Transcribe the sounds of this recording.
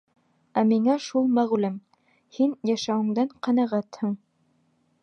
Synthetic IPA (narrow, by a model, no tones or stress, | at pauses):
æmiŋæʃulˠmæʁlɘm | hinjæʃæwɘ̆ŋd̪æɴqɑnæʁæt̪hɤɴ